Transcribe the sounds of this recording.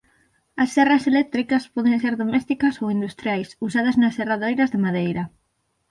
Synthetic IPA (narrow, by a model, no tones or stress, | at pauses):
ɐsθɛrɐselɛk̚t̪ɾikɐspɔðẽŋseɾðomɛst̪ikɐsowind̪ust̪ɾjajsusaðɐznɐseraðejɾɐzðemaðejɾɐ